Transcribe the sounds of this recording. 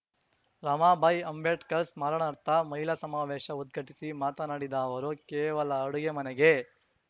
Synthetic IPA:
ɾɐmaːbʱɐjɐmbeʈkɐɾsmaːɾɐɳɐɾt̪ɐmɐɦilɐsɐmaːʋeːʃɐud̪̚ɡʱɐʈisimaːt̪ɐnaːɽid̪ɐːʋɐɾukɛːʋɐlɐːɽuɡemɐnɛɡe

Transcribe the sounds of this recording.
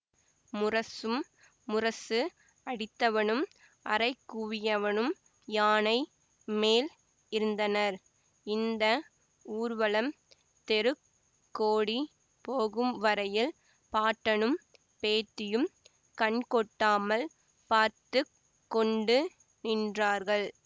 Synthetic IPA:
mʊrɐsɯmː | ʊrɐsɯ | ɐɽɪt̪ːɐʋɐnɯm | ʔɐ̰ɾɐɪkːuʋɪjɐʋɐnɯm | jaːnɐɪ | meːl | ɪɾɯnd̪ɐnɐɾ | ɪnd̪ɐ | uːɾʋɐɭɐm | t̪ɛɾɯkː | oːɽi | poːɣɯmʋɐɾɐjɪl | paːʈːɐnɯm | peːt̪ːɪjɯm | kɐɳkɔʈːaːmɐl | paːɾt̪ɯ | kːɔɳɖɯ | nɪndraːɾɣɐɭ

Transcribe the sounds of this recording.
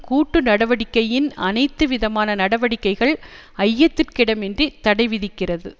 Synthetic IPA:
kuːʈːɯnɐɽɐʋɐɽɪkːɐjɪnɐnɐɪt̪ːɯʋɪðɐmaːnɐnɐɽɐʋɐɽɪkːɐɪɣɐɭ | ɐjːɐt̪ːɯrkɪɽɐmɛndrit̪ɐɽɐɪʋɪðɪkːɪrɐðɯ

